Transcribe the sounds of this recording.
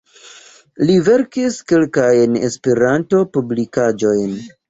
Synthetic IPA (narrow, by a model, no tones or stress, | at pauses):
live̞ɾkiskelkajne̞̰speɾanto̞publikad͡ʒo̞jn